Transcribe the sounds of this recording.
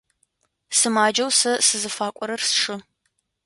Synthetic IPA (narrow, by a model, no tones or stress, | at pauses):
sɨmaːd͡ʒɐwsɐsɨzɨfaːkʷʼɔɾɐrsʂɨ